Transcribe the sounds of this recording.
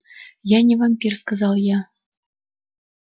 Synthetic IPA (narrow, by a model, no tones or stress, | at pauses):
jɑnʲɘvɑmpʲirskɑzɑlˠjɑ